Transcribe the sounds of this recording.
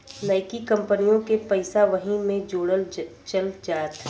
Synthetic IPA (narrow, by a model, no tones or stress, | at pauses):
laːɪkikɐ̃mpənijõkepɛɪsaʋɐɦĩmẽd͡ʒoːɽəl | t͡ʃɐld͡ʒaːt̪